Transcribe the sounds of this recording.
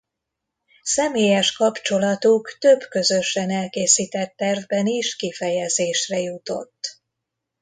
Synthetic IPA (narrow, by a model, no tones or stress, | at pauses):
sɛmeːjɛʃkɒpt͡ʃo̞lɒt̪ukt̪øbkø̞zøʃɛnɛlkeːsiːt̪ɛt̪ːɛrvbɛniʃkifɛjɛzeːʃrɛjut̪o̞̰t̪ː